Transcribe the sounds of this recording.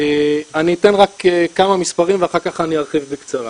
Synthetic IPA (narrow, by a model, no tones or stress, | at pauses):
eaniːte̞nʁakekamamispaʁimveaχaʁkaχaniaʁχivbekt͡saʁa̰